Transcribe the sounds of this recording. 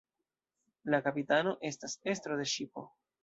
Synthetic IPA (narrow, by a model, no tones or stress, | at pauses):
lakapitano̞ʔe̞stase̞stɾode̞ʃipo̰